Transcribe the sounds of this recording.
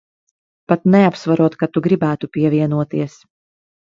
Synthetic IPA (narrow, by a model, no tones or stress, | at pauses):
pat̪nɛapsvaɾuɔt̪kat̪uɡɾibæːt̪upʲiɛvʲiɛnuɔt̪iɛs